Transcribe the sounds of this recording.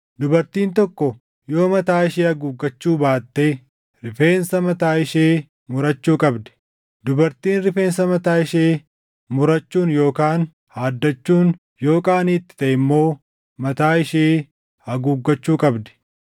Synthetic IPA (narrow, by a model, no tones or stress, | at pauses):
d̪ʊbɐɾt̪iːnt̪̬ɔkːɔ | jo̞ːmɐt̪aːɪʃeːɐɡuːɡːɐt͡ʃːuːbaːt̪ːeː | ɾɪfe̞ːnsɐmɐt̪aːɪʃeː | mʊɾɐt͡ʃːuːkʼɐbd̪ɛ̥ | d̪ʊbɐɾt̪iːnɾɪfe̞ːnsɐmɐt̪aːɪʃeː | mʊɾɐt͡ʃːuːnjo̞ːkaːn | haːd̪ːɐt͡ʃːuːn | jo̞ːkʼaːnit̪ːɪ̥t̪ɐʔɪmːo̞ː | mɐt̪aːɪʃeː | ɐɡuːɡːɐt͡ʃːuːkʼɐbd̪ɛ̥